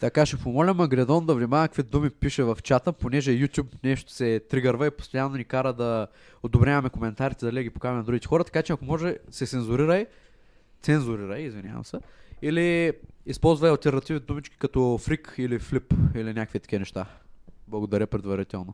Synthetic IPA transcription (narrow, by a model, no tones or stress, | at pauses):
t̪ɐkaʃɛpomɔlʲɐmɐɡɾɛd̪ɔnd̪ɐvnimavɐkkvid̪umipiʃɛvɐft͡ʃat̪əponɛʒɛjut̪ʲjupnɛʃt̪o̥sɛt̪ɾiɡəɾvəipost̪ojanːonʲikaɾəd̪ɐ | od̪obɾʲavɐmɛkomɛnt̪aɾit̪ɛd̪ɐlid̪əɡʲipo̥kavmɛnɐd̪ɾuɡʲit̪ɛxɔɾɐt̪ɐ̥kat͡ʃɛɐkomɔʒɛsɛt̪ɛnzʊɾiɾəj | t̪sɛnzʊɾiɾəjizvinʲja̰vɐ̰msɛiliispɔlˠzvɐɐlˠt̪ɛɾnɐt̪ivid̪umit͡ʃkʲi̥kɐt̪ɔfɾikʰiliflipilinʲakəkvit̪ɐ̥kʲiɐnɛʃt̪ablˠɐɡod̪ɐɾʲəpɾɛd̪vɐɾit̪ɛlˠno